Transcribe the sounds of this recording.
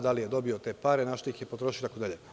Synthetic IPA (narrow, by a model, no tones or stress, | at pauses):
d̪alijed̪o̞biot̪e̞ːpaːɾenaʃt̪oixjepot̪ɾo̞ʃijot̪akod̪aʎe